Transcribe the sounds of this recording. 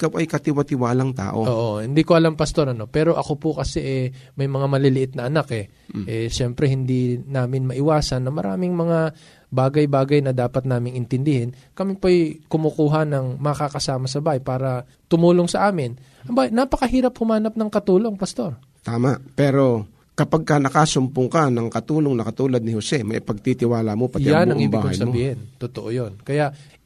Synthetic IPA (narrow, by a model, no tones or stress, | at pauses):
ɪkawʔɐjkɐt̪ɪwɐt̪ɪwaːlɐŋt̪a̰ːʔo̰ʔoʔohɪnd̪ikoʔɐlampɐst̪o̞ɾɐno̞pɛːɾo̞ʔɐko̞pʊkɐsɛʔɛ | mɐjmɐŋamɐlɪlɪʔɪt̪̚nɐʔɐnakʔɛ | ʔɛʃɛmpɾɛhɪnd̪inaːmɪnmɐʔɪwaːsɐnːɐmɐɾa̰ːmɪŋmɐŋa | baːɡɐjbaːɡɐjnɐd̪aːpɐt̪̚naːmɪŋɪnt̪ɪnd̪ɪhɪnkɐmipojkʊmokuːɦɐnɐŋmɐkakɐsaːmɐsɐbaːhɐjpaːɾɐ | t̪ʊmuːloŋsɐʔaːmɪn | ʔɐmbanɐpɐkɐhiːɾɐphʊmaːnɐp̚nɐŋkɐt̪uːlo̞ŋpɐst̪o̞ɾ | t̪aːmaʔpɛːɾo̞ | kɐpaɡ̚kɐnɐkasʊmpʊŋkanɐŋkɐt̪uːloŋnɐkɐt̪uːlɐd̪̚nɪhosɛmɐʔɪpɐɡ̚t̪it̪ɪwaːlɐmo̞pɐtjanɐŋŋʔibaːhɐ̰jssɐmobiːhɪnt̪ot̪oʔojonkɐjaʔ